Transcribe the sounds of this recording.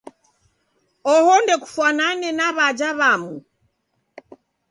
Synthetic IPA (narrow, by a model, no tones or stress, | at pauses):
ɔhɔndɛku̥fwananɛnaβad͡ʒaβamu